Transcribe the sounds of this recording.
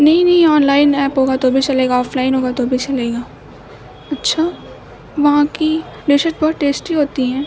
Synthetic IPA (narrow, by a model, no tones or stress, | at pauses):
nɐɦĩnɐɦĩɔːnlaːɪnɛːpɦoːɡat̪obʱit͡ʃɐleːɡaɔːfʰlaːɪnɦoːɡat̪obʱit͡ʃɐleːɡaː | ɐtːʃʰaː | ʋɐɦãki | ɖɪʃəʈ̚bɐɦʊt̪ʈːeːsʈiɦoːt̪iɦɛ̃ː